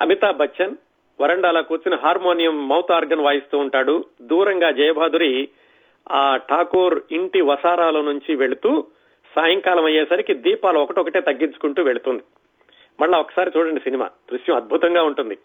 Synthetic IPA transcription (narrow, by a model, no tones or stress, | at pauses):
ɐ̰mit̪aːbʱɐt͡ʃːɐn | ʋɐɾɐɳɖaːlɐːkuːt͡ʃinɐɦaːɾmoːnijɐmːɐwt̪aːɾɡɐnʋaːjist̪uːɳʈaːɽud̪uːɾɐŋɡaːd͡ʒɐjbʱaːd̪uɾi | aːʈʰaːkoːɾiɳʈiʋɐsaːɾaːlɐnuɲt͡ʃiʋe̞ɭut̪uː | saːjɐŋkaːlɐmɐjeːsɐɾikid̪iːpaːlɐɔkɐʈiɔkɐʈeːt̪ɐɡːint͡ʃu̥kuɳʈuːʋe̞ɭut̪und̪i | mɐɭːaɔkːɐ̥saːɾit͡ʃuːɽɐɳɖisinima̰ːd̪̥ɾuʃjɐmɐd̪̚bʱut̪ɐŋɡaːuɳʈund̪i